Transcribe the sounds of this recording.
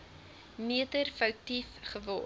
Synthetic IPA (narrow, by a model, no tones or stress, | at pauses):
miədərfəwtifχəvɔ